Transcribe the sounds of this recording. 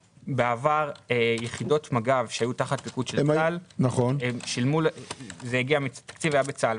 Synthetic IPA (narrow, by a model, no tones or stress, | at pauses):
beavaʁejeχido̞tmaɡavʃehajutaχat̚bikudʃelalnaχoneʃilmulzejiɡiamitḁkt͡sivajabet͡sal